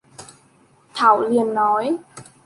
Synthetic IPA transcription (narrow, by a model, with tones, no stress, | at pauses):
t̪ʰa˧˩wli˨˩ənːɔ˨˦j